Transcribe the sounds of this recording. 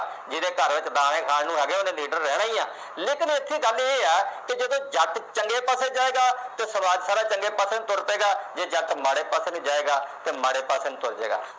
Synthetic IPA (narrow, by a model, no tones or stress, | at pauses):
d͡ʒɪd̪eːkəɾʋɪt͡ʃd̪aːɽ̃ẽːkʰaːnnũːɦɛːɡeːoːnẽːliːɖəɾːɛːɽ̃aːiːãː | leːkɪnɪt̪ʰːiːɡəlieːɛːkɪd͡ʒəd̪õːd͡ʒʱət̪t͡ʃəŋɡeːpaseːd͡ʒaːeːɡaːt̪eːsəmaːd͡ʒsaːɾaːt͡ʃəŋɡeːpaːsẽːt̪ʊɾt̪eːɡaːd͡ʒeːd͡ʒəʈ̪maːɽeːpaːseːnːd͡ʒaːeːɡaːt̪eːmaːɽeːpaːseːnũːt̪ʊɾd͡ʒḛːɡa̰ː